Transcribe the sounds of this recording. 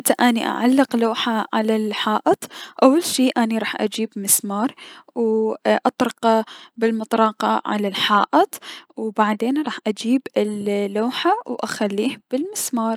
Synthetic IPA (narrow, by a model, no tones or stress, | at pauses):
t̪aʔaniʔa̰ʕalːɪqloːħaʕa̰lalħaːʔɪt̪ˤʔawːalʃiːʔaniɾˤɑːħʔa̰d͡ʒiːbmɪsmɑːɾˤwʔɑt̪ˤɾɑqɑbɪlmɨt̪ˤɾˤɑːqɑʕa̰lalħaːʔɪt̪ˤwbaʕd̪eːnɾˤɑːħʔad͡ʒiːbɪlːoːħawʔaxalːiːhb̥ɪlmɪsmɑːɾˤ